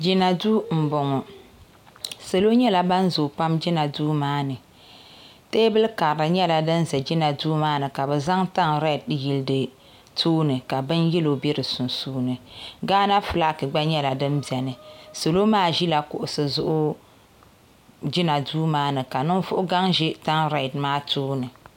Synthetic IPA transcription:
d͡ʒi˦na˨duː˦m̩˨bɔ˨ŋɔ˨ | so˨lo˦ɲɛ˦la˨ba˦n˦zo˨pa˦md͡ʒi˦na˨duː˦maː˦nɨ˨ | teː˦bɨ˦lka˨ɾɾɨ˨ɲɛ˦la˨dɨ˦n̩˦zɛ˨d͡ʒi˦na˨duː˦maː˦nɨ˨ka˨bɛ˨za˦ŋta˦ŋɾɛ˦˨t̚ji˦ldɨ˨ | tʰoː˦nɨ˨ka˨bɨ˦njɛ˦lo˨be˦ɾɨ˨sʊ˨nsuː˦nɨ˨ɡaː˦na˦fɨ˨la˦kɨ˨ɡ͡ba˦ɲɛ˦la˨dɨ˦mbi˨ɛ˨nɨ˨so˨lo˦maː˦ʒi˦la˨kʊ˨ʔʊ˨sɨ˨zʊ˦ʔʊ˦ | d͡ʒi˦na˨duː˦maː˦nɨ˨ka˨nɨ˦ŋvʊ˦ʔʊ˦ɡa˦ŋʒi˦ta˦ŋɾa˨tmaː˦toː˦nɨ˨

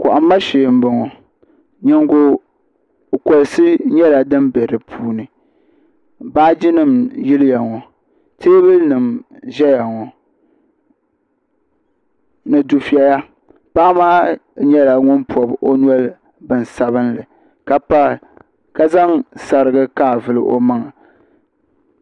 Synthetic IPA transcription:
kʊ˨ʔa˨mː˦a˦ʃeː˨m̩˦bɔ˨ŋɔ˨ | ɲɛ˨ŋɡo˨ | ko˨lɨ˨sɨ˦ɲɛ˦la˨dɨ˦mbe˨ɾɨ˨pʰuː˦nɨ˨ | baː˦d͡ʒi˦nɨ˨mji˦lɨ˦ja˨ŋɔ˨ | tʰeː˦bɨ˦lnɨ˨mʒɛ˦ja˨ŋɔ˨ | nɨ˨du˨fi˨a˨ja˦ | paː˦maː˦ɲɛ˦la˨ŋʊ˦npʰɔ˨bo˦nu˦ɔ˦l | bɨ˨n˨sa˦βɨ˦nlɨ˨ | ka˦pa˦˨ | ka˦za˦ŋsa˨ɾɨ˦ɡɨ˦kaː˦˨vɨ˦lɨ̰˦ʔo̰˦ma˦ŋa˨

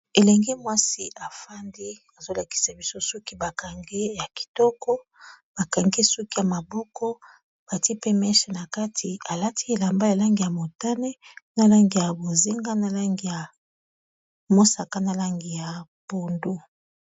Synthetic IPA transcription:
e˨lɛ˨ŋɡi˦mwa˦si˦ʔa˨fa˦ndi˦ | a˨zo˦la˨ki̥˨sa˨bi˦so˦so˦ki˦ba˨ka˨ŋɡe˦ja˨ki̥˨tɔ˦kɔ˦ | b̥a˨ka˨ŋɡe˦su˦ki˦ja˨ma˨bɔ˦kɔ˦ | b̥a˨ti˦pe˦mɛ˦ʃe˨na˨ka˦tʰi˨a˨la˦ti˦e˨la˨mba˦ja˨la˦ŋɡi˨ja˨mo˨ta˦nɛ˦na˨la˦ŋɡi˨ja˨bo˨ze˦ŋɡa˦na˨la˦ŋɡi˨ja˨ | mo˦sa˨ka˦na˨la˦ŋɡi˨ja˨b̥o˨ndu˦

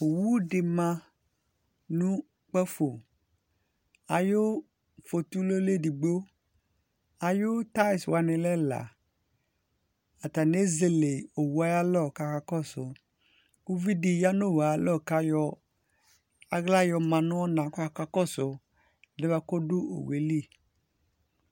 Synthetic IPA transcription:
o˨wu˦dɪ˨mã˦ | nũ˦ | k͡pɛ˦fo˨ | a˨jo˦ | fo˨tu˦lo˦le˦˨di˨ɡ͡bo˦ | a˨jo˦ta˦ɪ˨swa˨nɪ˨lɛ˦la̰˨ | a˨ta˨ne˦ze˦le˨o˨wa˦ja˦lɔ˦˨ka˨ka˨kɔ˦˨sʊ˨ | u˦vi˦di˨ja˦no˦˨wa˨˦lɔ˦˨ka˦jɔ˦ | a˦ɣla˦jɔ˨mã˨nʊ˦ɔ˦nã˨kɔ˦a˨ka˦kɔ˦sʊ˨ | lɛ˦ba˦ko˦dʊ˦o̰˨we˨li˦

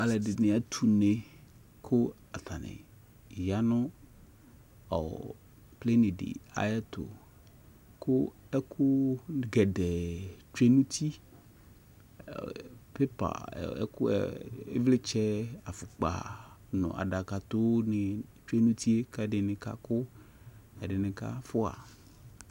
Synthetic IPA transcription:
a˨lɛ˨dɪ˨nɪ˨a˨t̪ʰu˨ne˨ | kʰʊ˦ | a˨t̪ʰa˨nɪ̰˨ | ja˦nʊ̃˦ | ɔ̰˨ | ple˦nɪ̃˨dɪ̰˨a̰˦jɛ˦t̪ʊ̰˨ | kʰʊ˦ | ɛ˦kʰʊ˦˨ɡɛ˨dɛ˨t͡ʃe˦nũ˦t̪ʰi˦ | pe˦pa̰˨ɛ̰˦kʊ˦ɛ̰˨ḛ˦vlɪ˦t͡ʃɛ˦a˨fʊ˨k͡pa̰˨nʊ̰̃˨ʔa̰˨ɖa˨ka˨t̪ʊ˦nɪ˨t͡ʃe˦nũ˦t̪i˦e˦ka˦dɪ˨nɪ̃˨ka̰˦kʊ˦ | a˨ɖɪ˨nɪ̃˨ka̰˦fʊ˦a̰˨

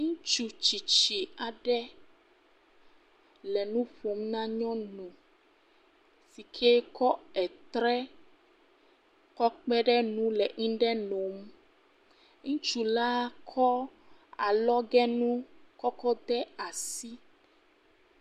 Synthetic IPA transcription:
ŋũ˦t͡ʃu˨t͡ʃi˨t͡ʃi˨a˨ɖɛ˦ | lɛ˨nũ˦ɸo˨mnã˦ɲɔ̃˦nũ˨ | si˨kʰe˦kɔ˦ɛ˨t̪ɾɛ˦ | kɔ˦k͡pɛ˦ɖɛ˦nũ˦lɛ˨ŋĩ˦ɖɛ˦no˨m | ŋũ˦t͡ʃu˨la˦kʰɔ˦a˨lɔ˦ɡɛ˦nũ˦kɔ˦kɔ˦d̪ɛ˦a˨si˦

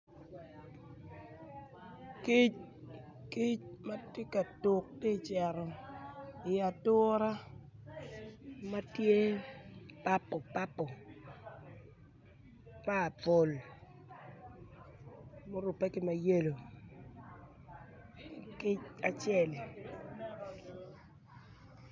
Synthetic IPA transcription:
ki˦t͡ʃ | ki˦t͡ʃma˦tje˦ka˨to˨k̚te˦˨t͡ʃɛ˨ɾɔ˨ | ɪ˨a˨tʊ˦ɾa˦ | ma˦tje˦ | pa˦pɔ˨pa˦pːɔ˨ | paː˦˨po˨l | mo˦ɾʊ˨pe˦kɪ˨ma˨je˦lo˨ | ki˦t͡ʃa˨t͡ʃjɛ˦˨l

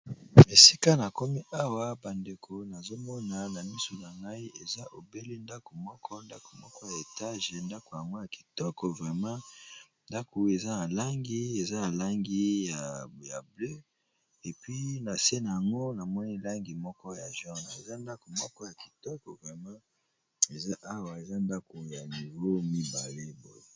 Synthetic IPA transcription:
me˨si˦ka˦na˨ko˦mi˦ʔa˦wa˦ba˨nde˨kʰo˨na˨zo˦mɔ˦na˨na˨mi˦so˨na˨ŋɡa˦i˦ʔe˨za˦ʔo˨be˦le˦nda˦ko˨mɔ˦kʰɔ˦nda˦ko̥˨mɔ˦kɔ˦ja˨e˨ta˦ʒe˨nda˦ko˨ja˨ŋɡo˦ja˨ki̥˨tɔ˦kɔ˨vʁɛ˨mã˦ | nda˦ko˨e˨za˦na˨la˦ŋɡi˦e˨za˦na˨la˦ŋɡi˦ja˨ja˨blø˦ | e˨pɥi˦na˨se˦na˨ja˨ŋɡo˦na˨mɔ˦ni˦la˦ŋɡi˨mɔ˦kɔ˦ja˨ʒɔ˦na̰˨ḛ˨za˦nda˦ko˨mɔ˦kɔ˦ja˨ki̥˨tɔ˦kɔ˨vʁɛ˨mã˦ | e˨za˦ʔa˦wa˨e˨za˦nda˦ko˨ja˨ni˨vo˦mi˦ba˨le˦bo̰˦je˦

